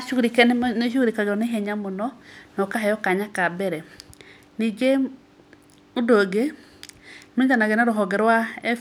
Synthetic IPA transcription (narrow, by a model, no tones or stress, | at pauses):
aʃuɾikɛnneʃ̬uɾikaɣeɾɔneɦɛɲamonɔnɔkaɦɛjɔkaɲakabɛɾɛ | nid͡ʒe | odoɡe | medanaɣenaɾoɦɔɡɛɾwaɛ